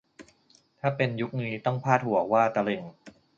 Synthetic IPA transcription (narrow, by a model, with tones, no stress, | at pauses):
t̪ʰaː˥˩pe˧nju˦˥k̚niː˦˥t̪ɔ˥˩ŋpʰaː˥˩t̪̚hu˨˩˦ɐkwaː˥˩t̪a˧le˧˩ŋ